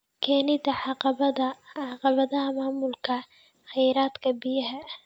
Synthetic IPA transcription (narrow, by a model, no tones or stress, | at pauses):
kʰɛːnɪd̪ɐʕɑqɑβɐðɐʕɑqɑβɐðɐɦɐmaːmʊlkʰɐ | χɛjɾaːd̪kʰɐbɪjɐɦɐ